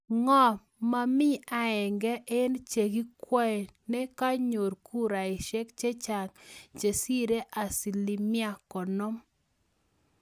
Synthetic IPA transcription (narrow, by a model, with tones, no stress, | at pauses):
ŋɔ˦ | ma˨mɪ˦a˨ɛ˨ŋɡɛ˦ʔɪ˦nt͡ʃe˨ɡi˦kwɛ˦ɛ˨nɛ˦ka˦ɲo˨ɾkʰu˦ɾa˨ɪ˨ʃɛ˦kt͡ʃe˦t͡ʃa˨ŋt͡ʃe˨si˦ɾe˦ʔa˨si˨li˨mɪ˦a˦˨kɔ˨no˦m